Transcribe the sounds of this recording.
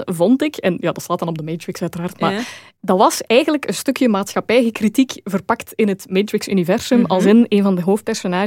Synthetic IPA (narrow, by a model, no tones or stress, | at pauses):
vɔntɪkɛnjaːdɑtstaːtɑnɔb̚dəmeːtɹɪksœɥtəraːrtmaː | dɑʋɑsɛjɣənləkənstɵkjəmaːtsxɑpɛjɣəkritikvərpɑktɪnɦətmeːtɹɪksynivɛrz̥ɵmɑlˠzɪneːnvɑndəɦoːft̚pɛrsonaː